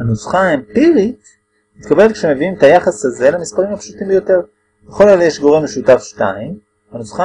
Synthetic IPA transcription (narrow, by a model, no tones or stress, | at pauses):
hanusχaempiʁit | mit̪kabe̞lekʃe̞me̞viimetajaχasaze̞lemispaʁimapʃutimbejo̞te̞ʁ | veχo̞laljeʃɡo̞ʁemeʃutafʃtaim | anusχa